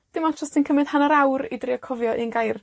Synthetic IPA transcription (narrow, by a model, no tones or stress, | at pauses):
d̥ɪmatʰrɔstʰinkʰəmɨð̥hanaɾawɾḭdriɔkʰɔvjɔʔiənɡajr